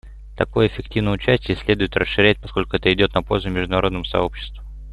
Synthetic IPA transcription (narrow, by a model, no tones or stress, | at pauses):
t̪ɐko̞jəɪfʲɪktʲivnəjʊt͡ɕæsʲtʲɪjəsʲlʲe̞d̪ʊjɪt̪rəsʂɨɾʲæt̚ʲpɐ̥sko̞lʲkʊɛt̪əɪdʲo̞t̪nɐpo̞lʲzʊmʲɪʐd̪ʊnɐɾod̪nəmʊsɐ̰o̞pɕːɪ̥st̪vʊ